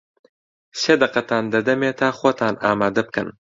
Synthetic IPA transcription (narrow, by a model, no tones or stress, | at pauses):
sed̪ɐqɐt̪ʰaːnd̪ɐd̪ɐmeːt̪ʰaːχoːt̪ʰaːnaːmaːd̪ɐb̚kɐ̰n